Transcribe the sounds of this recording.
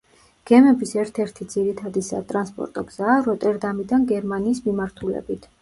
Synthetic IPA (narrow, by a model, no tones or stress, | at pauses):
ɡ̥ɛmɛbisɛɾt̪ʰɛɾt̪ʰid̪z̥iɾit̪ʰad̪isa̰t̪ʼɾanspʼɔ̰ɾt̪ʼɔɡz̥aːɾɔt̪ʼɛɾd̪amid̪anɡɛɾmaniːsmimaɾt̪ʰulɛ̰bit̪ʰ